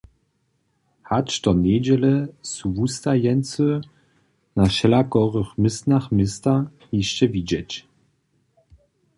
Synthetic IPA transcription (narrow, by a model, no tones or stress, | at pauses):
hat͡ʃt̪ɔnʲed͡ʑɛlɛsuvust̪ajɛnsə | naʃɛlakɔʁəχmɪstnaχmɪst̪a | jiɕt͡ɕɛvid͡ʑɛt͡ɕ